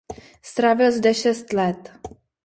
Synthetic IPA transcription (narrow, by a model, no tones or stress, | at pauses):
st̪ɾaːvɪlzdɛʃɛst̪lɛt̪